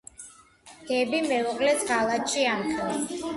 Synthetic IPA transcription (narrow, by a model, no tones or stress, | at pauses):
d̪̥ɛbimɛuqʼlɛsɡalˠat̪ʃʰʼiamχʰɛla